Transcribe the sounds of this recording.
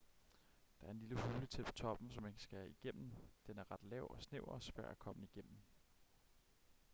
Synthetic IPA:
d̥ɑ̈æɐe̝nliləhuːlət͡sʰe̝lpʰɒ̥̽t͡sʰɒ̽b̥n̩sɒ̽mensɡ̥æiɡ̥em̰m̩d̥enæɐʁɑ̈d̥lɛʊ̰ɒ̽sneʊɐsʋæɐækʰɒ̽m̰əiɡ̥en̰m̩

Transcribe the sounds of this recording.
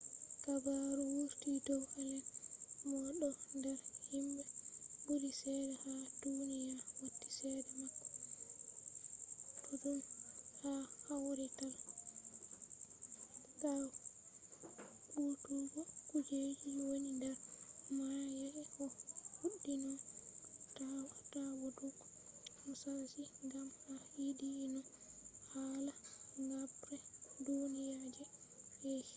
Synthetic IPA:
kabaɾuwuɾtidɔwɛlɛnmɔɗɔndɛɾhimbɛbulisɛdɛhadunijawotːi̥sɛdɛmakːɔ̥ | tʰɔdumhahawɾital | ka | kutuɡɔkud͡ʒehiwonidɛɾmajɛʔɛʔɔfuɗːinɔ | tawatawɔdukɔ̥ɔsasiŋɡamaidiːnɔhaːlaŋɡabɾɛdunijad͡ʒɛɛ

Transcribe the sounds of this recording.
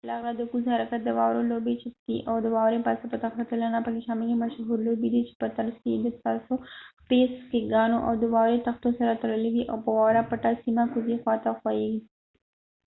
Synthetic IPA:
pəlaɣlad̪əkuzhaɾakat̪̚d̪əwɑwɾolobet͡ʃɪt̪iʔawd̪əwɑwɾepasapət̪axt̪akelənapəkeʃɑmɪlimaʃɦuɾlobid̪it͡ʃe̥pət̪alskejed̪əst̪ɑsopeskeɡɑnoʔa̰wd̪əwɑwɾet̪axt̪osaɾat̪aɽəlawiʔa̰wpəwɑwɾapaʈasimakuzixwɑt̪axwɑjeɡi

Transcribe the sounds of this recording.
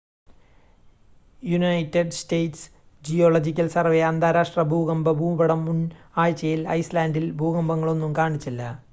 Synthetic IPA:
junɐjtːeɖstejts | d͡ʑijoːloːd͡ʑikʲːɐlsɐrʋeɐnd̪aːɾaːʂʈrɐbʱuːɡɐmbɐbʱuːbɐɽɐmːun | aːjt͡ɕːɐjilɐ̰jslaːndilbʱuːɣɐmbɐŋːɐɭo̞nːumkaːɳit͡ɕːilːɐ

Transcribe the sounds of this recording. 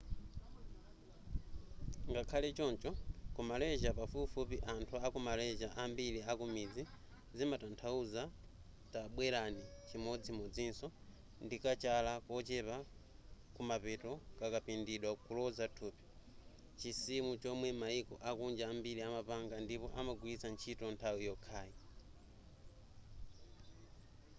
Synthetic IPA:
ŋɡakʰalɛt͡ʃɔnt͡ʃɔkumalɛʒapafupfupiʔantʰuakumalɛʒaʔambiɾiakumid͡zi | zimatantʰauza | taɓwɛɾanit͡ʃimɔd͡zimɔd͡zinsɔ | ndikat͡ʃalakɔt͡ʃɛpa | kumapɛtɔkakapindiɗwakulɔzatʰuːpi̥ | t͡ʃisimut͡ʃɔmwɛmaikɔʔakund͡ʒaːmbiɾiamapaŋɡandipɔʔamaɡwisant͡ʃʰitɔntʰawijɔkʰaːji

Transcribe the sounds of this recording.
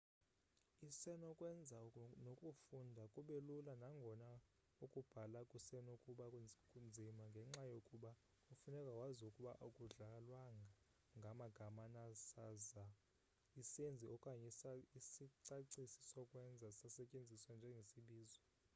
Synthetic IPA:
isɛnɔkʼwɛnd͡zʱanokʼufundʱakʼuɓelulanaŋɡʱɔna | ukʼub̥ʱalakʼusɛnokʼuɓakʼund͡zʱimaŋɡʱɛŋ͡ǁajokʼuɓa | ufunɛkʼawazukʼuɓaʔukʼuɮaalwaŋʱa | ŋɡʱamaɡ̥ʱamanasaza | isend͡zʱiɔkʼaɲisiǀaǀisi̥sɔkʼwɛnd͡zʱasasɛcʼend͡zʱiswand͡ʒʱɛŋɡʱesiɓiːzɔ

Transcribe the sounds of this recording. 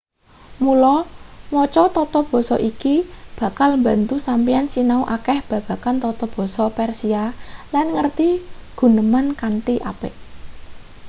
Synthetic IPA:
mulɔmɔt͡ʃɔt̪ɔt̪ɔb̥ɔ̤sɔʔikib̥ä̤kalmba̤nt̪usampiansinauʔakɛhb̥ä̤b̥a̤kant̪ɔt̪ɔb̥ɔ̤sɔpɛrsialanŋərt̪iɡ̥ṳnəmankant̪iʔapɪʔ

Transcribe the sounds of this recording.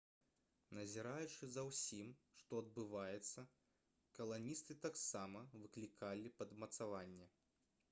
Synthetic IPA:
nɐzʲɛɾajut͡ʂɨzɐwsʲimʂt̪ɔɐd̪̚bɨvajɛt̪sːɐ | kɐlˠanʲist̪ɨt̪aksamɐvɨklʲikʰalʲipɐd̪mɐt̪savanʲːɛ

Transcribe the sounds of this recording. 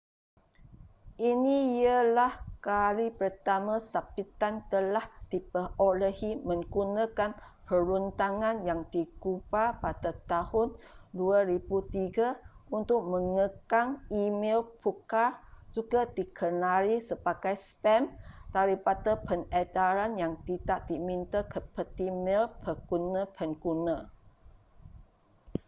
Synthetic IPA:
ʔiniialahkalipərt̪amãsapit̪ant̪əlahd̥ipəoləhimə̃ŋɡunakan | pəɾunt̪aŋãnjaŋdikubapadat̪ahʊnduaɾibut̪iɡaunt̪ʊk̚məŋəkaŋimɛlpʰukad͡ʒuɡadikʰənaɾisəbaɡajspɛmt̪aɾipat̪əpənɛt̪aɾanjaŋt̪itaʔdimint̪əkəpət̪imɛlpʰəɡunə̃pʰənkunə̃

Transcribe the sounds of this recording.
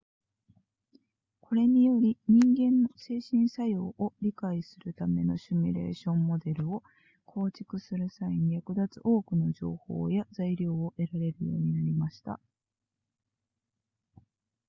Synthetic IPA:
kʰo̞ɾe̞ɲ̟ijo̞ɾʲiɲ̟ĩŋɡẽ̞nːose̞ːɕĩɰ̃sajo̞ːʔoɾʲikaisɨɾɯ̟t̪ame̞no̞ɕimʲḭɾe̞̰ːɕõ̞mːo̞d̪e̞ɾɯ̟o̞ | kʰo̞ːt͡ɕi̥kɯ̟sɨɾɯ̟saiɲ̟ijakɯ̟d̪at͡sɨ̰ʔo̞ːkɯ̟no̞ʑo̞̰ːho̞̰ːjazaiɾʲo̞ːoʔe̞ɾaɾe̞ɾɯ̟jo̞ːɲ̟inaɾʲimaɕi̥t̪a̰

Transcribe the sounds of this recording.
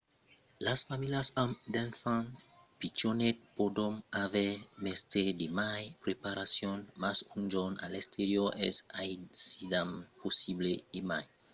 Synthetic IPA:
lasfamiliasamd̪ɛnfãn | pit͡ʃonet̪̚podonavɛmest̪edemajpɾepaɾasjonmasund͡ʒona̰lest̪ʰeɾjoʔesajsidamposibleemaj

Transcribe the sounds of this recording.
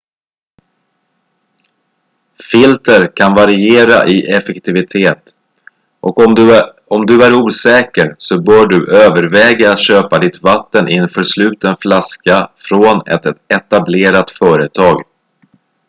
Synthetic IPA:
fɪlt̪əɾkʰanvaɾɪeːɾa̰ʔɪʔɛfɛkt̪ʰɪvɪt̪ʰeːt̪ | ʔɔk | ɔmd̪ɵæɾuːsɛːkəɾsɔbœːɖɵʔøːvəɾvɛːɡaːt̪ɕøːpad̪ɪt̪vat̪ːənʔɪnfœːʂlʉ̟ːt̪ənflaskafɾoːnɛ̰t̪ɛt̪ableːɾat̪fœːɾət̪ʰɑːɡ

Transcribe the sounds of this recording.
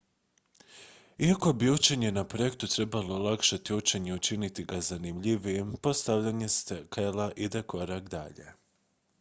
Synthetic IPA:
iako̞biut͡ʃeɲenapɾo̞je̞kt̪ut̪ɾe̞balˠo̞lˠakʃat̪iut͡ʃeɲeut͡ʃinit̪iɡazanimʎiʋijepo̞st̪aʋʎaɲe̞st̪ekʰelˠaʔid̪akʰo̞ɾakd̪a̰ʎe̞̰

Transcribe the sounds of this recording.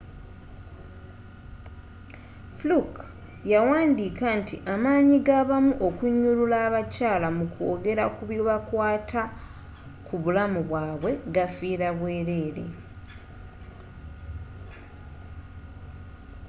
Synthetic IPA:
fluk | jawaːndiːkantḭʔamaːɲiɡaβamuʔo̞kuɲːululaːβacaːlamukoːɡe̞ɾakuβjoβakwaːtʰa | kuβulamuβwaːβwe̞ɡafiːɾaβwe̞ːɾe̞ːɾḛ

